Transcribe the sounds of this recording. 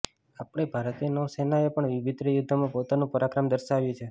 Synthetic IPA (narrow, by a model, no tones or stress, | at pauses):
apɳ̃ebʱaɾt̪enosenaepəɳʋɪʋɪd̪ɾəjud̪ʱːəmãpot̪anũpəɾakɾəmd̪əɾʃaʋjũt͡ʃʰe